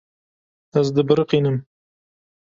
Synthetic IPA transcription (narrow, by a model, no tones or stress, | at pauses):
ɐzd̪ɨbɨɾqiːnɨm